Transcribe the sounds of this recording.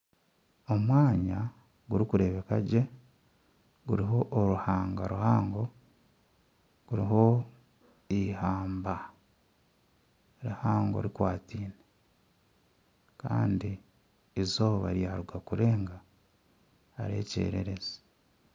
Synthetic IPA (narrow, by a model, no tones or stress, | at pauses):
o̞mwaːɲa | ɡuɾikuɾe̞ːβe̞kaɟe̞ | ɡuɾiɦo̞ʔːɾuhaːŋɡaɾuhaːŋɡo̞ | ɡ̥uɾiɦo̞ | ihaːmba | ɾihaːŋɡo̞̰ɾikwaːtiːne | ka̰ːndi | ezoβaɾjaːɾuɡakuɾe̞ːŋɡa | ɾe̞̰ːce̞̰ːɾeɾe̞ze̥